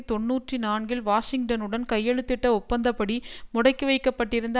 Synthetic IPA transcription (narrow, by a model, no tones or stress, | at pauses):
t̪ɔɳːuːʈrinaːɳɡɪlʋaːʂɪŋʈɐnɯɽɐnkɐjːɛɻɯt̪ːɪʈːɐʊpːɐnd̪ɐpɐɽimʊɽɐɪkːɯʋɐɪkːɐpːɐʈːɪɾɯnd̪